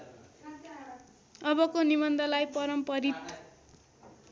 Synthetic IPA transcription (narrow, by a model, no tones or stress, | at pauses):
ʌbʌkonimʌnd̪ʱʌlajpʌɾʌmpʌɾit̪